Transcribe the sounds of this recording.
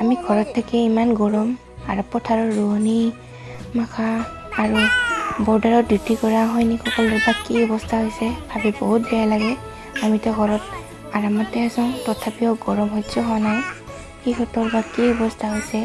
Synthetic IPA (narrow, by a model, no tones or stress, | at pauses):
amiɡʱɔɹɔtʰːakɛimanɡɔɹɔm | a̰ɹɔpːɔtʰaɹɔːuɦni | makʰaː | ɹubɔɹdaɹɔdutikɔɹaɦɔjnikʰxɔkɔlɛbakːiɔbɔstʰaɦojsɛbʱabiboɦut̚bɛjalaɡɛ | amitɛɔɡʱɔɹɔt | aɹamɔtɛasɔ̃ʊ̃tɔtʰapijɔɡɔɹɔmɦɔjsɔɦɔanaj | kixɔtɔɹbakːiɔbɔstʰaɦojsɛ